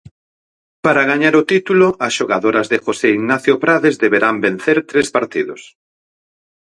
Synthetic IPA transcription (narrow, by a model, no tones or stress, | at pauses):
paɾaɣaɲaɾʊt̪it̪uloɐsʃoɣaðoɾɐzðɪxoseiɣnaθjopɾaðezðeβeɾambẽn̟θeɾt̪ɾespaɾt̪iðʊs